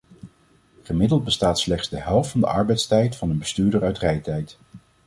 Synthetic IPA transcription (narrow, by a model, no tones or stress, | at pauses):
χəmɪdəlˠd̚bəstaːtslɛχtsdəɦɛlˠftfɑndə̰ʔɑ̰ɹbɛjtstɛjtfɑnənbəstyːɹdəɹœɥtrɛjtɛjt